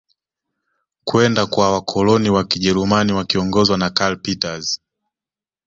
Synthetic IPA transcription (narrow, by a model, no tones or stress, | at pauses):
kwɛndakwawakʰɔlɔniwakiʄɛɾumaniwakiɔŋɡɔzwanakalpitaz